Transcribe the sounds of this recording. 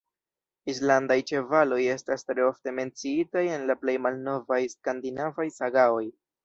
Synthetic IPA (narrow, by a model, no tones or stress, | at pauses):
islandajt͡ʃe̞valo̞je̞stastɾe̞o̞fte̞me̞nt͡siitaje̞nlaple̞jmalno̞vajskandinavajsaɡao̞j